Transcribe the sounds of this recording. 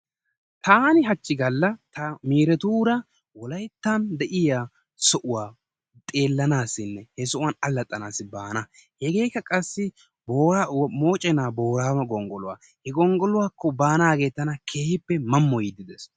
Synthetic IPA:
t̪ʰaːnɪɦɐt͡ʃːɪɡɐlːɐt̪ʰɐmiːɾɛt̪uːɾɐ | wɔlɐjt̪ːɐnd̪ɛʔɪjaː | sɔʔʊwaː | t̪ʼe̞ːlːɐnaːsɪnːɛhɛsɔʔʊwɐnɐlːɐt̪ʼːɐnaːsːɪbaːnɐhɛɡe̞ːkːɐkʼɐsːɪ | boːɾamo̞ːt͡ʃʼɛnaːbo̞ːɾaːmɐɡɔŋɡɔlʊwa̰ː | hɛɡɔŋɡɔlʊwaːkːɔbaːnaːɡe̞ːt̪ːɐnɐkʰe̞ːhɪpːɛmɐmːɔjɪd̪ɪd̪ɛs

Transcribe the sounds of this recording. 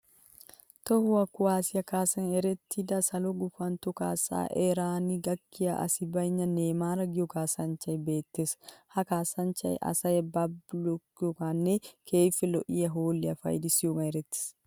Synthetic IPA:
t̪ɔhʊwɐkːʊwaːsɪjɐkaːsɐnɛɾɛt̪ʰːɪd̪ɐsɐlɔɡʊfɐnt̪ɔkaːsa̰ːʔɛɾaːniɡɐkːɪjɐ̰ʔɐ̰sɪbɐjɲːɐneːmaːɾɐɡɪjɔkaːsɐnt͡ʃɐjbe̞ːt̪ːeshɐkaːsɐnt͡ʃɐ̰jʔɐ̰sɐjbɐblɔkjɔkanːekʰeːfɛlɔ̰ʔɪjɐɦoːlːɪɐfɐ̰jd̪ɪsjokɐnɛɾɛt̪ːɪ̥s

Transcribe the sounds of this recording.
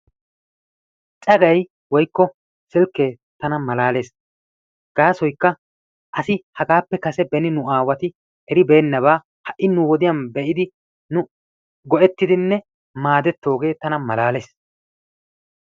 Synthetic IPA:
t͡ʃʼɐɡɐj | wɔjkːɔ | sɪlkːeː | t̪ɐnɐmɐlaːle̞ːs | ɡ̥aːsɔjkːɐ | ʔɐsɪhɐɡaːpːɛkɐsɛbɛnɪnʊaːwɐt̪ɪ | ʔɛɾɪbe̞ːnːɐβaː | hɐʔːɪnʊwɔd̪ɪjɐnbɛʔɪd̪ɪ | nʊ | ɡɔʔɛt̪ːɪd̪ɪnːɛ | maːd̪ɛt̪ːo̞ːɡe̞ːt̪ɐnɐmɐlaːle̞ːs

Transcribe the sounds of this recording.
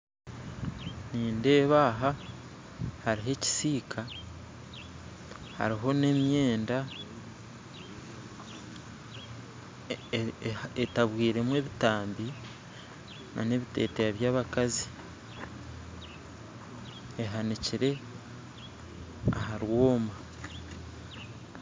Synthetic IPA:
niːnde̞ːβaːɦa | haɾiɦe̞ci̥siːkʰa | ha̰ɾiɦo̞ne̞mje̞ːnda | etaβwiːɾe̞mwe̞ːβitaːmbi | nʔa̰ne̞βite̞̰ːtejaβjaːβakazi̥ | eɦaniciɾe̞ | aɦaɾwo̞ːma

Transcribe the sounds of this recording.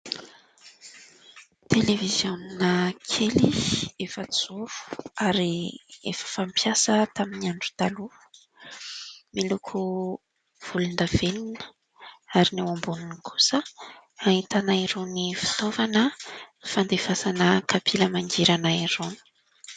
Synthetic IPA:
t̪elevizjoninəkʰeliefət͡suɾu̥aɾiḛfə̥fampʰjasət̪aminiaɳɖ͡ʐut̪alu̥ | milukʰu | v̥ulund̪av̥eninə̥ | aɾiniwambununikʰu̥sə | ait̪anaiɾonifi̥t̪ovanəfand̪evasanəkʰapʰiləmaŋd͡ʒiɾanaiɾoni̥

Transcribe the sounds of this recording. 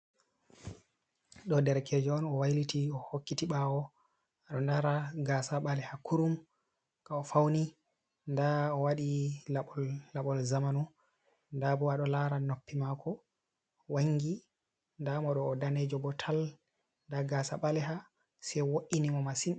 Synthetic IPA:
ɗɔdɛɾkʰed͡ʒɔɔnɔwajlitiɔhokːitiɓawɔ | aɗɔndaɾaɡasaɓalɛhakʰuɾum | kaɔfawni | ndaɔwaɗilaɓɔlːaɓɔlzamanu | ndabɔaɗɔlaɾanopːimakɔ | waŋɡi | ndamɔɗɔːdaned͡ʒɔbɔtʰal | ndaɡasaɓalɛɦa | sɛwoʔinimɔmasin

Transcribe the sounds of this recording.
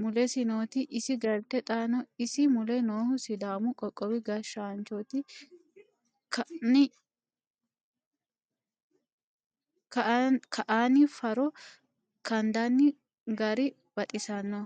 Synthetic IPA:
mʊlɛsɪnoːt̪ɪʔɪsɪɡɐɾt̪ːɛt̪ʼaːnɔɪsɪmʊlɛnoːhʊsɪd̪aːmʊkʼɔkʼːɔwɪɡɐʃaːnt͡ʃot̪ɪ | k | kkʰɐʔaːnɪfɐɾɔ | kɐnd̪ɐnːɪ | ɡɐɾɪ | b̥ɐt̪ʼɪsɐnːɔ

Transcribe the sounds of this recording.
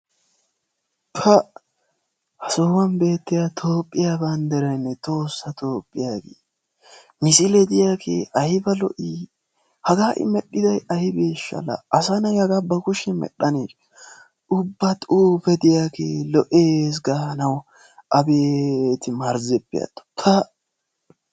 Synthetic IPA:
pʰɐ | hɐsoːwɐnbe̞ːt̪ːɪjat̪ʰoːpʼːɪjaːbɐnd̪ɛɾɐjnːɛt̪ʼo̞ːsːɐt̪ʰo̞ːpʼːɪjaːɡḛː | mɪsɪlɛd̪ɪjaːkʰḛːʔɐjɪbɐlɔ̰ʔi | hɐɡaːʔɪ̰mɛɗːɪd̪ɐjɐhɪbeːʃːɐ̰lɐ̰ʔɐsɐnɐjhɐɡɐbɐkʊʃɛmɛ̰ɗːɐneːʃ | ʔʊbːɐt̪ʼuːfɛd̪ɪjaːkḛːlɔʔeːs̬ɡaːnɐw | ʔɐbeːt̪ɪmɐɾzɛpːɪjɐ̰t̪ːɔ̥t̪ʰɐ

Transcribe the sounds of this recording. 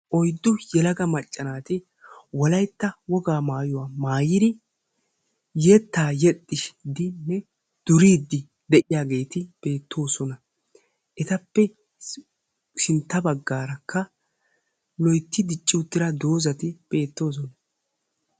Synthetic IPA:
ʔɔjd̪ːʊjɛlɐɡɐmɐt͡ʃʼːɐnaːt̪ɪ | wɔlɐjt̪ːɐwɔɡaːmaːjʊwaːmaːjɪd̪ɪ | jeːt̪ːaːjɛt̪ʼːɪʃd̪ɪnːɛ | d̪̥ʊɾiːd̪ːɪ | d̪ɛʔɪjaːɡe̞ːt̪ɪb̥e̞ːt̪ʰːo̞ːsɔnɐ | ʔɛt̪ɐpːɛ | sɪnt̪ːɐbɐɡːaːɾɐkʰːɐ | lɔjt̪ːɪd̪ɪt͡ʃʼːɪʊt̪ːɪɾɐd̪o̞ːzɐt̪ɪb̥e̞ːt̪ːo̞ːs̬ɔnɐ

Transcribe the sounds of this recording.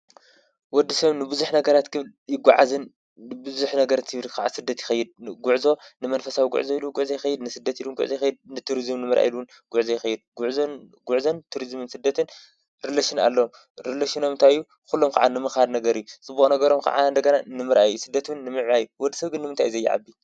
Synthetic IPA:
wɔd̪ːisɐβnɨbɨzuħnɐɡɐɾat̪kʰɨβljɪɡʷːaʕazɨnː | ɨbɨzuħnɐɡɐɾat̪ʰɨβɾkʰaʕa̰sɨd̪ːɐt̪jɪ̥xɐjːɪd̪̚ɡuʕzo̞nɨmɐnfɐsawiɡṵʕzoiluɡuʕzojɪxɐjɪd̪nɨsɨd̪ːɐt̪ilunɡṵʕzojɪxɐjːid̪̚nɨt̪ʰuɾizɨmnɨmɨɾʔa̰jilun | ɡ̥uʕzojɪxɐjːɪd̪̚ɡuʕzonɡuʕzont̪ʰuɾizmɨnsɨd̪ːɐt̪ʰɨn | ɾilaʃina̰lːɐom | ɾɨlaʃino̞mɨnt̪ʰajːu | kulːomkʰa̰ʕa̰nɨmɨxhad̪nɐɡɐɾijut͡sʼɨbːuxʼnɐɡɐɾo̞mkʰa̰ʕa̰nd̪ɐɡɐnanɨmɨɾʔa̰jusɨd̪ːɐt̪wɨnːɨmɨʕβajuwɔd̪ːisɐβɡɨnːɨmɨnt̪ʰa̰jzɐjːɪ̰ʕa̰bːi

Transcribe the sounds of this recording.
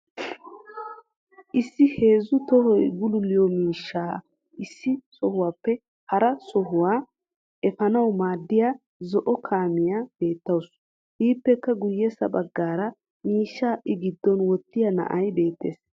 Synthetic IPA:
ʔɪsːɪhe̞ːzʊt̪ɔhɔjɡʊlʊlːɪjɔmiːʃːaː | ʔɪsːɪsɔhʊwaːpːɛ | hɐɾɐsɔɦʊwaː | ɛfɐnɐwmaːd̪ːɪjaː | zɔʔɔkʰaːmɪjab̥e̞ːt̪ːɐws | hiːpːɛkːɐɡʊjːɛsɐ̰ɓɐɡːaːɾɐ | miːʃːaːʔɪɡɪd̪ːɔnwɔt̪ːɪjɐnɐ̰ʔɐjbe̞ːt̪ːe̞̰ːs

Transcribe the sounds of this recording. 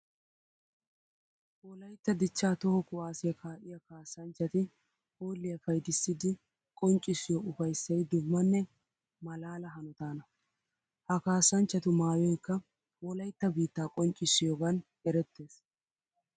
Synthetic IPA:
wɔlɐjt̪ːɐd̪ɪt͡ʃːaːt̪ɔhɔkʊwaːsɪjɐkʰaːʔɪjɐkaːsːɐnt͡ʃːɐt̪ɪ | hoːlːɪjɐfɐjd̪ɪsːɪd̪ɪ | kʼɔnt͡ʃʼːɪsːɪjɔʔʊfɐjsːɐjd̪ʊmːɐnːɛ | mɐlaːlɐɦɐnɔt̪aːnɐ | hɐkaːsːɐnt͡ʃːɐt̪ʊmaːjɔjkːɐ | wɔlɐjt̪ːɐbiːt̪ːaːkʼɔnt͡ʃʼɪsːɪjɔɡɐn | ɛɾɛt̪ːe̞ːs

